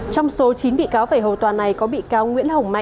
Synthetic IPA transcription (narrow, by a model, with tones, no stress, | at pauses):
t͡ɕɔ˧wŋ͡mso˨˦t͡ɕi˨˦nɓḭ˧˨kaː˨˦wvaː˧˩ɦo˨˩t̪waː˨˩na˨˩jkɔ˨˦ɓḭ˧˨kaː˨˧wŋwḭ˧˥ənhə˨˩wŋ͡mma̰˧˨